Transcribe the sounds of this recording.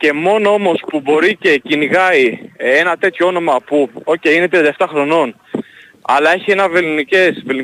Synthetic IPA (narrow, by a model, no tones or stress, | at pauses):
ce̞mo̞noo̞mo̞spubo̞ɾice̞cinɣɐienɐt̪e̞t̪çoo̞no̞mɐpuo̞ceinet̪ɾiɐnd̪ɐeft̪ɐxɾo̞no̞n | ɐ̰lɐe̞çie̞nɐvelnice̞sveln